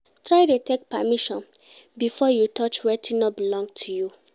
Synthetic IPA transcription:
tɹajdetek̚pamiʃɔ̃n | bifɔjutʰɔt͡ʃwɛtʰinɔbilɔ̃ŋɡtʰuju

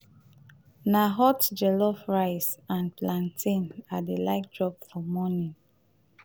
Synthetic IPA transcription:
naɦɔtd͡ʒɛlɔfɹaɪsãnplãntʰĩnadelaɪk̚dɹɔbfɔmɔnĩn

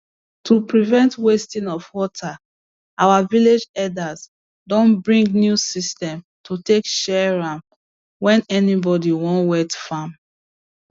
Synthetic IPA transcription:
tʰupɹivɛ̃ntwestĩnɔfwɔtʰa | awaviled͡ʒɛdaz | dɔ̃nbɹĩŋɡnjusistɛ̃m | tʰutekʃɛɹãm | wɛ̃nɛnibɔdiwɔ̃nwɛtfãm

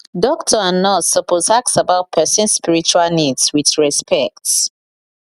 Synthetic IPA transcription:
dɔk̚tʰɔãnːɔsɔpʰozak̚tsabaʊt̚pʰɛsɛ̃nspiɹit͡ʃualnidswiθɹɛspʰɛk̚t

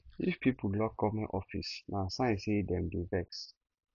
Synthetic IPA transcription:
ifpʰipʰulɔk̚kɔmɛ̃ʔɔfḭsnãsãɪ̃nsedɛ̃mdevɛks

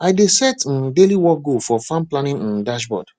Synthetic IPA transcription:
aɪdesɛtndeliwɔk̚ɡofɔfãmplãnĩnĩndaʃbɔ̰d̥

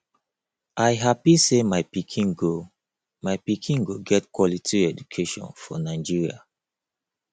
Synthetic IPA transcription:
ʔaɪɦapisemaɪpikʰĩŋɡo | maɪpikʰĩŋɡoɡɛtkwɔlitʰiɛd͡ʒukʰeʃɔ̰̃nfɔ̰naɪd͡ʒiɹia̰

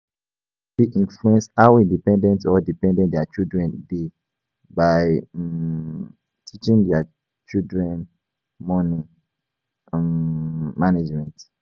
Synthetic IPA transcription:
diʔĩnfluɛ̃nsawidipɛ̃ndɛ̃ntɔdipɛ̃ndɛ̃ndɛat͡ʃildɹɛ̃nde | baɪ | tʰit͡ʃĩŋdɛa | t͡ʃildɹɛ̃n | mɔnĩ | maned͡ʒmɛ̃nt

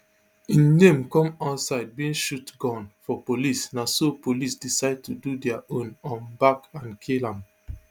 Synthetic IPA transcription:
ĩnnẽmkɔ̃mansaɪd̚bĩĩnʃutɡɔ̃nfɔpolisnasopolisdisaɪd̚tududɛaʔõnɔ̃nbakãnkʰilãm

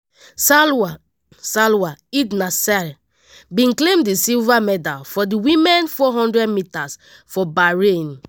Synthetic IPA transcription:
sa | salwaiɡnasal | bĩnklẽmdisilvamɛdalfɔdiwĩmɛ̃nfɔɦɔ̃ndɹɛdmitas | fɔbaɹẽn

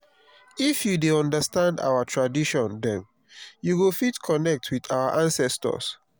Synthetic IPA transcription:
ifjudeɔ̃ndəstãnda̰wətʰɹadiʃɔ̃ndɛ̃m | juwilfitkʰɔnɛk̚tʰwiðawəʔãnsɛstɔ̰s

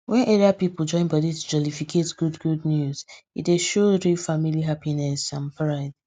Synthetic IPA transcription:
wɛ̃neɹiapipl̩ˠd͡ʒɔ̃ɪ̃nbɔditud͡ʒɔlifikʰetɡ̥udɡudnjuz̥ḭt̚deʃoɹifamiliɦapinɛsãnpʰɹaɪd̥

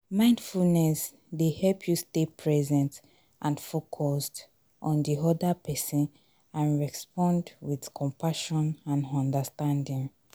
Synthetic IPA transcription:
mãɪ̃ndfulnɛs | dehɛlpʰjustepʰɹɛzɛ̃nt | ʔãnfokʰɔst | ʔɔ̃ndiɔdapʰɛsɔ̃n | ãnɹɛspɔ̃ndwið̥kʰɔ̃mpʰaʃɔ̃nãnɔ̃ndəstãndĩŋ

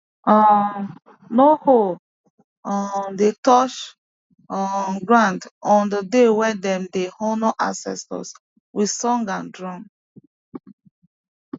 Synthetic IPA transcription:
ɔ | noho | ɔdetɔʃ | ɔɡɹãndɔ̃ndədewɛdɛ̃mdehɔnɔʔãsɛ̰stɔ̰s | wi̥sɔ̃ŋɡãndɹɔ̃ŋ

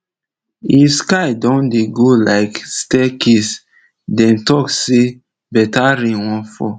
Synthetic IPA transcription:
iskaɪdɔ̃ndeɡolaɪkstɛkis | dɛ̃ntɔkse | bɛtaɾĩnwɔ̃nfɔ̰

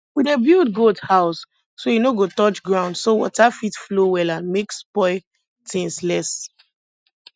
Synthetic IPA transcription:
widebildɡodhaʊs | sojinoɡotɔt͡ʃɡɹãʊ̃ndsowɔ̰tafitflowɛlãnmekspɔɪ | tʰĩŋslɛs

